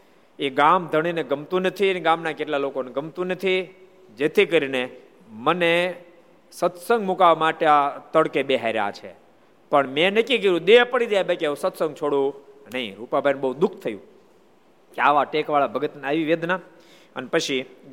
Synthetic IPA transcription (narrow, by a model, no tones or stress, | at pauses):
eɡamd̪ʱəɽ̃ineɡəmt̪ũnət̪ʰineɡamnakeʈlalokoneɡəmt̪ũnət̪ʰi | d͡ʒet̪ʰikəɾine | məne | sət̪sə̃ŋɡmukaʋmaʈeat̪əɽkebeɦaɾja̰t͡ʃʰḛ | pəɳmẽnəkik̬əɾũd̪eɦpəɽid̪jabekeũsət̪sə̃ŋɡ̚t͡ʃʰoɽũnəĩɾupabʱajnubəɦud̪ʊkʰt̪ʰəjṵ̃ | keaʋaʈekʋaɭabʱəɡət̪naʋiʋed̪na | ə̰nepət͡ʃʰi